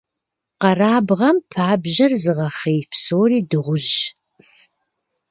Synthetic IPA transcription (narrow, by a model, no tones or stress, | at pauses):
qɐraːbʁɐmpʰaːbʑɐrzɨʁɐχeːpsoːriːdɨʁʷʊʒ